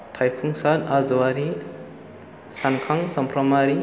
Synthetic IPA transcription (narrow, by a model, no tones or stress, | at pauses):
tʰajpʰuŋsanazɔwaɾi | sankʰaŋsʌmpɾɔmaɾi